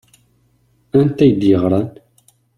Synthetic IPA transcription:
ænt̪æjd̪jəʁɾˤɑn

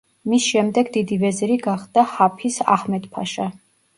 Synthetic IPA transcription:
misʃɛmd̪ɛɡd̪id̪ivɛzɾiɡaχd̪ahapʰisa̰hmɛd̪pʰa̰ʃa

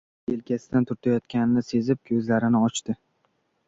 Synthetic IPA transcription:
elkʲasɪd̪ant̪ʰʊɾt̪ʰajɒt̪kʲanɪnɪse̞zɪp̚kʲʰɵzlaɾɪnɪɒt͡ʃt̪ɪ

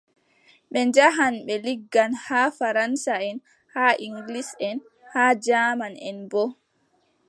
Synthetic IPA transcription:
ɓɛnd͡ʒaɦanɓɛliɡːanhaːfaɾansaɛn | haːʔiŋɡlisɛn | haːd͡ʒaːmanɛnbɔ

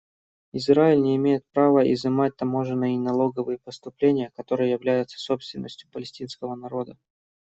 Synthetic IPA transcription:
ɪzɾaɪlʲnʲɪɪmʲejɪt̪̚pɾavəɪ̰zɨmat̚ʲt̪ɐmo̞ʐɨnːɨjnɐlˠo̞ɡəvɨjəpəst̪ʊplʲenʲɪjəkɐt̪o̞ɾɨjəjɪvlʲæjʊt̪sə̥so̞pst̪vʲɪnːəsʲtʲjʊpəlʲɪsʲtʲinskəvənɐɾo̞d̪ə

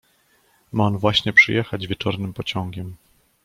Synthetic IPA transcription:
maɔnvwaɕɲɛpʂɘ̰jɛxad͡ʑvʲjɛt͡ʂɔɾnɘmpɔt͡ɕɔŋɡʲɛm

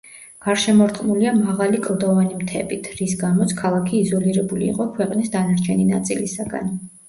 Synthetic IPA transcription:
ɡ̥aɾʃɛmɔɾt̪χʼmuliamaʁalikʼlˠd̪ɔvanimt̪ʰɛ̰bit̪ʰɾisɡamɔt̪sʰkʰalˠakʰiːzɔliɾɛbulḭːqʼɔkʰwɛqʼnisd̪anaɾt͡ʃʰɛnina̰t̪sʼilisaɡa̰n

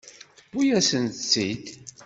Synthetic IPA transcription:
θəb̥ːujæsənt̪t͡sːid̪

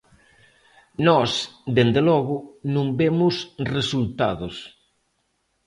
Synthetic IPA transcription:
nɔsd̪end̪elɔɣʊnũmbemʊsresult̪a̰ðos

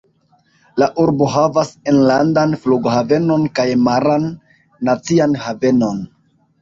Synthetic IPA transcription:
laʔuɾbo̞ɦavasenlandanfluɡohave̞no̞nkajmaɾanː | at͡sianhave̞no̞n

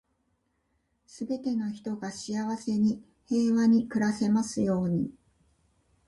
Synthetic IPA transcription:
sɨbe̞t̪e̞no̞çi̥t̪o̞ɡaɕiaβase̞ɲ̟i | he̞ːβaɲ̟ikɯ̟ɾase̞masɨjo̞ːɲ̟ḭ

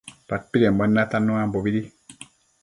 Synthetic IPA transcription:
pat̚piɾembənːatanːuambobidi

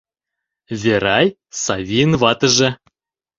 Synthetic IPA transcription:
vʲeɾɑj | sɑvʲijnvɑt̪ɤ̆ʒĕ

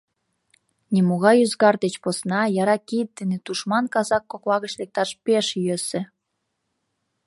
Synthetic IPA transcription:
nimoɣɑjyzɣɑrd̪et͡ɕposnɑjɑɾɑkit̪̚ːenet̪uʃmɑnkɑzɑkːoklɑɣət͡ɕlek̚t̪ɑʃpeʃjøsĕ

